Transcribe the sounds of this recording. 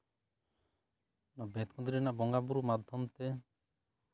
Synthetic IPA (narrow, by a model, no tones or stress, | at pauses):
nɔbet̪̚kʰɔ̃nd̪iɾɛnaʔbɔŋɡabuɾumad̪ʱɔmt̪ɛ